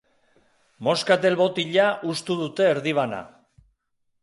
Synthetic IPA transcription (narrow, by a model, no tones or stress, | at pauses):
mo̞skat̪e̞lβo̞t̪iʎaʔust̪uðut̪e̞ːɾðiβ̞ana̰